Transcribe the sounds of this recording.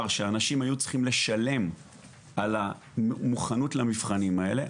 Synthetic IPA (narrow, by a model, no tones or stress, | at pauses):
ʁʃeaːnaʃimajut͡si̥χimle̞ʃale̞m | ala | muχanutlamifχanimae̞̰le̞